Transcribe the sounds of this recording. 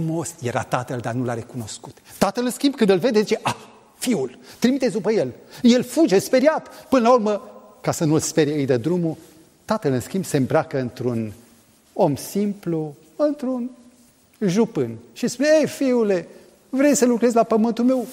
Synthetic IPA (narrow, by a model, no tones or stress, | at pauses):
mo̞sje̞ɾa̰t̪at̪əld̪anulaɾe̞kuno̞sku̥t̪t̪at̪əlɨnskʲimbkɨnd̪ɨlve̞d̪e̞zit͡ʃe̞ʔa | fiult̪ɾimit̪et̪sʲd̪upəje̞lje̞lfud͡ʒe̞spe̞ɾjat̪pɨnəlaurmə | kasənulspeɾjeɨjd̪ed̪ɾumu | t̪at̪əlɨnskʲimbse̞mbɾakəɨnt̪ɾun | o̞msimplu | ɨnt̪ɾun | ʒupɨnʃispuneejfiule̞ | vɾe̞jsəlukɾe̞zʲlapəmɨnt̪ulme̞w